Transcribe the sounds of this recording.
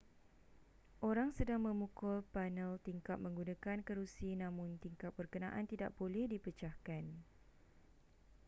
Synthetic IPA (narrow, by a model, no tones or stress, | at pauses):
ʔoɾaŋsədaŋmə̃mũkʊlpanəlt̪iŋkat̪̚mə̃ŋɡunãkankəɾusinãmʊ̃nt̪iŋkap̪̚b̥ərkənãʔant̪ida̰ʔ̚bolɛhdipət͡ʃahkan